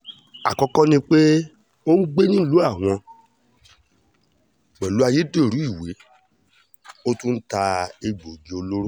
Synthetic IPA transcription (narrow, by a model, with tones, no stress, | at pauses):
a̰˨kɔ̃˧kɔ̃˦nĩ˧k͡pe˦ | o˦n̩˦ɡ͡be˦nĩ˦lu˨˦a˦˨w̃ɔ̃˧ | ɡ͡bɛ˨lu˨˦a˧je˨˦de˦˨ɾu˨˦i˦˨we˨˦ | o˦tũ˦n̩˦ta˧e˧ɡ͡bo˨d͡ʒe˨˦o˧lo˦ɾo˦